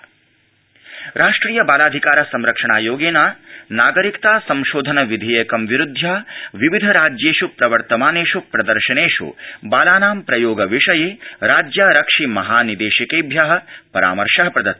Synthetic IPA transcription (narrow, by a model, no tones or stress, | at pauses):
ɾaːʂʈɾiːjɐbaːlaːd̪ʱikaːɾɐsɐmɾɐkʂɐɳaːjoːɡeːnaːnaːɡɐɾikt̪aːsɐmʃoːd̪ʱɐnɐʋid̪ʱiːjɐkɐmʋiɾud̪ʱːjaːʋiʋid̪ʱɐɾaːd͡ʒjeːʃupɾɐʋɐɾt̪ɐmaːneːʃupɾɐd̪ɐɾʃɐneːʂṵbaːlaːnaːmpɾɐjoːɡɐʋiʂɐjeːɾaːd͡ʒjaːɾɐkʂimɐɦaːnid̪eːʃɐkeːbʱjaːɦɐ̆pɐɾa̰ːmɐɾʂɐɦɐpɾɐd̪ɐt̪ː